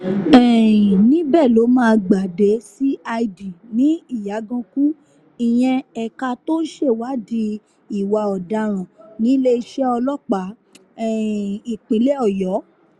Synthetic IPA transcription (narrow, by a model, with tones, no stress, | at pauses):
ɛ˨ĩ˨nĩ˨˦bɛ˦˨lo˨˦mãː˦˧ɡ͡ba˨de˨˦si˦a˧i˧di˨nĩ˨˦i˦˨ja˨˦ɡã˧ku˦ | ĩ˨j̃ɛ̃˧ɛ˨ka˧to˦n̩˦ʃe˦˨wa˨˦di˧ | i˦˨wa˧ɔ˨da˧ɾ̃ã˨nĩ˨˦le˦i˧ʃɛ˦ɔ˧lɔ˦k͡pa˨˦˨ | i˨k͡pĩ˨˦le˦ɔ˦˨jɔ˨˦